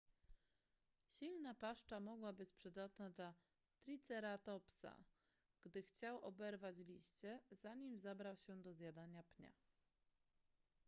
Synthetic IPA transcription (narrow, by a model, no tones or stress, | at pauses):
ɕilnapaʂt͡ʂamɔɡwabɘt͡ɕpʂɘd̪at̪nad̪la | t̪ɾʲit̪sɛɾat̪ɔpsa̰ | ɡ̥d̪ɘxt͡ɕawɔbɛɾvat͡ɕlʲiɕt͡ɕɛz̥aɲimzabɾawɕɛd̪ɔzʲjad̪aɲapɲa̰